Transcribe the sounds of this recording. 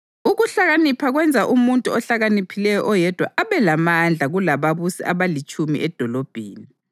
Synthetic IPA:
uɣuɬaɣanipʰaɣwɛnd͡zʱaʔumuntʼuɔɬaɣanipʰilɛjɔʔɔjɛd̥ʱwa̰ʔaβɛlamand͡ɮʱaɣulaβaβusḭʔaβalit͡ʃʼumḭʔɛd̥ʱɔlɔb̥ʱeːni

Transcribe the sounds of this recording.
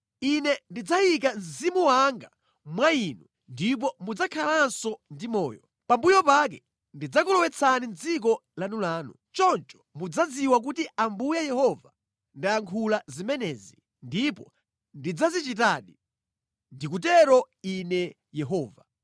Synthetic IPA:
inɛndid͡zajik̬anzimuwaŋɡa | mwainu | ndip̬ɔmud͡zakʰalansɔndimɔ̰ːjɔ | pambujɔpak̬ɛ | ndid͡zakɔlɔwɛt͡sʰanind͡zik̬ɔlanulaːnṵ | t͡ʃɔnt͡ʃɔ̥mud͡zad͡ziwak̬utiambujajɛhɔva | ndaaŋkʰulazimɛnɛzi | ndipɔ | ndid͡zazit͡ʃitaːɗi | ndik̬ut̬ɛɾɔ | inɛ | jɛɦɔːva

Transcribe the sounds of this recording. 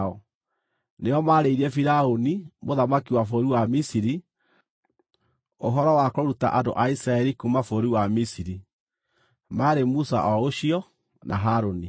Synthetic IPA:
ɔ | neɔmaɾeiɾiɛfiɾaonimoðamakiwafoɾiwamisiɾi | oɦɔɾɔwakɔɾuta̰ʔado̰ʔaisɾaɛɾikumafoɾiwamisiɾi | maɾemusa̰ʔɔoɕiɔ | nʔa̰ɦaɾoni

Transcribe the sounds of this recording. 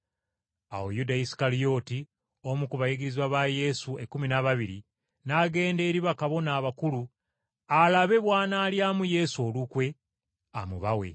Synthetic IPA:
a̰wo̰judaisi̥kalijo̞ːti | o̞mukuβajiɡiɾizwaβaje̞sue̞kːuminaβaβiɾḭ | naːɡe̞ːnde̞ːɾiβakaβo̞naːβakulu | alaβe̞βwaːnaːljaːmuje̞suo̞lukwe̞ | a̰muβawe̞̰

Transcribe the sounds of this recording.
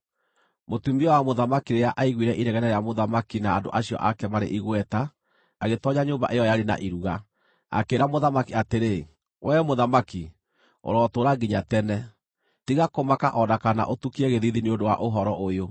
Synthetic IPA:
motumiɔwamoðamakiɾejaʔaiɣwiɾɛʔiɾɛɣɛnɛɾɛjamoðamakinaːndo̰ʔaɕijɔ̰ʔakɛmaɾḛʔiɣwɛta | aɣetɔɲaɲoːmba̰ʔejɔjaɾena̰ʔiɾuɣa | a̰keɾamoðamakiateɾe | wɛmoðamaki | o̰ɾɔtoɾaɡiɲatɛnɛ | tiɣakomakaʔɔnakana̰ʔotukiɛɣeðiðineondowa̰ʔoɦɔɾɔʔojo

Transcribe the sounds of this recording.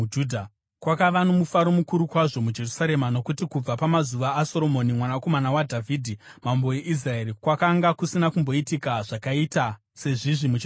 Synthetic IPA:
uːdʱa | kwakaʋano̞mufaɾo̞mukuɾukwaʐo̞mud͡ʒe̞rusaɾe̞mano̞kutikub͡vapamazuʋaːso̞ɾo̞monimwanako̞manawadʱavʱiːdʱimaumbo̞je̞ʔis̬raeːɾikwakaŋɡakusinakumbo̞itikaʐ̥akaita | se̞ʐiʐimud͡ʒe

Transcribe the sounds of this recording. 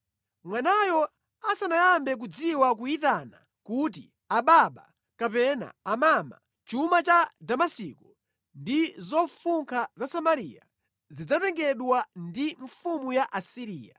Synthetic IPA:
mwanajɔ | asanajambɛk̬ud͡ziwak̬uitana̰ | kut̬ḭ | aɓaɓa̰ | kapɛna̰ːmama̰ | t͡ʃumat͡ʃadamasikɔ | ndizɔfuŋkʰazasamaɾija̰ | zid͡zatɛŋɡɛɗwandiɱfumujaʔasiɾiːja̰

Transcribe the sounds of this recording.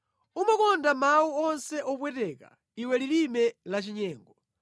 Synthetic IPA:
umakɔndamawuɔnsɛʔɔpwɛtɛka̰ | iwɛlilimɛlat͡ʃiɲɛːŋɡɔ

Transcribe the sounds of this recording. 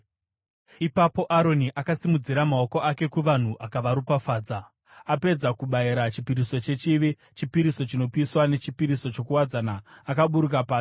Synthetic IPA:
ipapo̞ʔaɾo̞niʔakasimud͡ziɾamao̞ko̞ʔake̞kuʋan̤uʔakaʋaɾupafaːd͡za | ape̞d͡zakuɓaiɾat͡ʃipiɾiso̞t͡ʃe̞t͡ʃiʋi | t͡ʃipiɾiso̞t͡ʃino̞piiswane̞t͡ʃipiɾiso̞t͡ʃo̞kuwad͡zanaːkaɓuɾuk̬apaːsi

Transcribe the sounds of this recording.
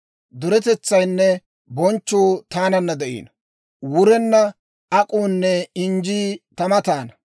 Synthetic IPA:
d̪ʊɾɛt̪ɛt͡sːɐjnːɛ | bɔnt͡ʃːoːt̪aːnɐnːɐd̪ɛʔḭːn | wʊɾɛnːɐ | ɐkʼuːnːɛɪnd͡ʒiːt̪ɐmɐt̪aːnɐ

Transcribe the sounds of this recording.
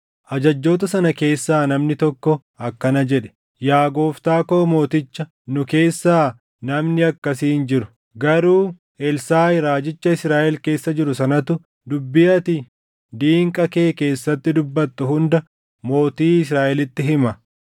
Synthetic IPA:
ʔɐd͡ʒɐd͡ʒːo̞ːt̪ɐsɐnɐke̞ːsːaːnɐmnɪt̪ɔkːɔ | ɐkːɐnɐd͡ʒɛᶑɛ̥ | jaːɡo̞ːft̪aːko̞ːmo̞ːt̪ɪt͡ʃːɐ | nʊke̞ːsːaː | nɐmnɪɐkːɐsiːnd͡ʒɪɾʊ̥ | ɡɐɾuː | ʔɛlsaːɪɾaːd͡ʒɪt͡ʃːɐɪsɾaːʔɛlke̞ːsːɐd͡ʒɪɾʊsɐnɐt̪ʊ | d̪ʊbːɪjɐt̪ɪ | d̪iːŋkʼɐke̞ːke̞ːsːɐt̪ːɪd̪ʊbːɐt̪ːʊɦʊnd̪ɐ | mo̞ːt̪iːɪs̬ɾaːʔɛlɪt̪ːɪɦɪmɐ

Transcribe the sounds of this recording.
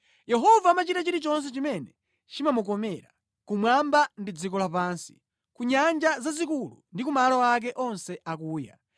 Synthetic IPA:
jɛɦɔvaːmat͡ʃitat͡ʃiɾit͡ʃɔns̬ɛt͡ʃimɛnɛ | t͡ʃimamukɔmɛɾa | kumwambandid͡zikɔlapansi̥ | kuɲand͡ʒazazikulṵndikumalɔak̬ɛʔɔnsɛʔakuːja̰

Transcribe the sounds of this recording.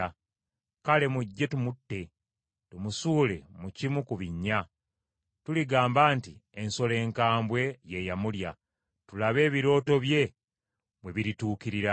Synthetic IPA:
kale̞muɟːe̞tumutːe̞ | tumusuːle̞̰mucimukuβiɲːa | tuliɡaːmbaːntie̞nso̞le̞ːŋkaːmbwe̞je̞jamulja | tulaβe̞ːβiɾo̞ːto̞βje̞ | βwe̞βiɾituːkiɾiɾa

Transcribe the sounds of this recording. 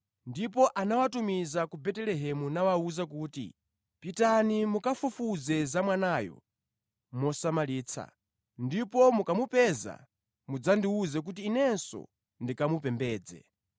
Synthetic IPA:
ndipɔʔanawatumizakubɛtɛlɛɦɛmunawauzak̬uːtḭ | pitanimukafufuzɛzamwanaːjɔ̰ | mɔsamaliːt͡sʰa̰ | ndipɔmukamupɛza̰ | mud͡zandiuzɛk̬ut̬iːnɛnsɔ̰ | ndikamupɛmbɛːd͡zɛ̰

